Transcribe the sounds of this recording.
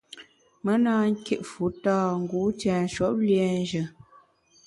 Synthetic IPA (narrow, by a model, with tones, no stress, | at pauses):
mə˦naː˦ŋ̩˦ke˨ʔfu˨˦taː˦˨ŋ̩˨˦ɡu˨˦t͡ʃɛː˨n̩˨˦ʃɔ˦p̚ljɛ˨n˦d͡ʒə˨